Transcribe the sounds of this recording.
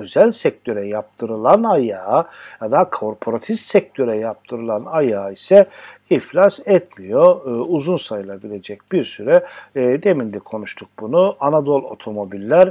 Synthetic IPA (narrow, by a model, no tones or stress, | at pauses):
øzælʲsɛc̚t̪ʰø̞ɾɛjap̚t̪ʰɯɾɯlˠanajaːjad̪akʰo̞ɾpʰo̞ɾat̪ʰift̪sɛc̚t̪ʰø̞ɾɛjap̚t̪ʰɯɾɯlˠanajaːisɛiflʲasɛt̪mijo̞uzunsajɯlˠabilʲe̞d͡ʒɛc̚b̥iɾsyɾɛd̪e̞mind̪ʲikʰo̞nuʃt̪ʰuk̚bunuanad̪o̞lˠo̞̰t̪ʰo̞mo̞bilʲːæɾ